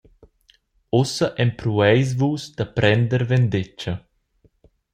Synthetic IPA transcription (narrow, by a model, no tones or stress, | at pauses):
osɐʔɛmpɾuɛjs̬vuːsd̪̥apɾʔɛnd̪əɾvɛnd̪et͡ʃɐ